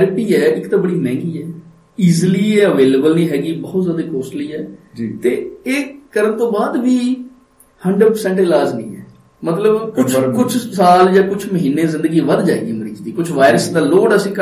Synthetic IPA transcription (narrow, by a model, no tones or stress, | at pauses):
ɾpiːɛːɪkt̪aːbəɽiːmɛ̃ːŋɡiːɛː | iːzliːɛːəʋeːleːbəlnĩːɦɛːɡiːbɔːʊt̪zjaːd̪aːkoːsliːɛːd͡ʒt̪eːeːkəɾənt̪õːbaːd̪ʋiː | həɳɖəɖpəɾsɛ̃ɳʈɪlaːznḭ̃ːɛ̰ː | mət̪ləbkʊt͡ʃʰkʊt͡ʃʰsaːld͡ʒaːkʊt͡ʃʰməɦiːnːeːzɪ̃nd̪əɡiːʋəd̪d͡ʒaːeːɡiːməɾiːt͡ʃd̪iːkʊt͡ʃʰʋaːɪɾəsd̪aːloːɽəsĩːkə